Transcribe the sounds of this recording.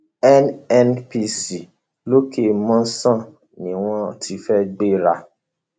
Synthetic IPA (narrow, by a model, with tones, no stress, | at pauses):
ɛ˦nɛ˦npi˦si˨ | lo˦ke˦˨mɔ̃˦sã˦˨ | nĩ˨w̃ɔ̃˦ti˨˦fɛ˦ɡ͡be˦ɾa˦˧